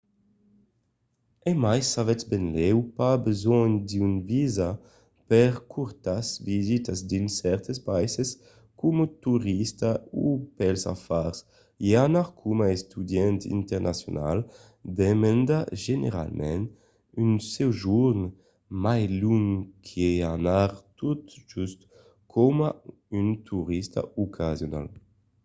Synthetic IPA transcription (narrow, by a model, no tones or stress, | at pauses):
emajsavɛsbɛnlɛwpabezɔɲd̪ynviza | pɛʁkʰuɾt̪asvizit̪azd̪insɛɾt̪espajses | kumut̪uʁist̪aupɛlsa̰faɾs | eanaʁkʰumaest̪yd̪jɛnt̪ḭnt̪eʁnʔasjona̰l | d̪emɛnd̪aʒenḛɾa̰lmʔɛn | ynsɛwʒuɾn | majluŋkʰeanaʁt̪ut̪ʒyst̪ | kʰɔma | ynt̪ʰuʁist̪a̰ukʰazjona̰l